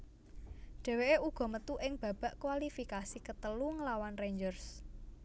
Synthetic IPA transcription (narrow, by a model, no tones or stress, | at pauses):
ɖ̥ɛ̤weʔeʔuɡ̥ɔ̤mət̪uʔɪŋb̥ä̤b̥a̤ʔkwalifikasikət̪əluŋəlawanreɲd͡ʒərs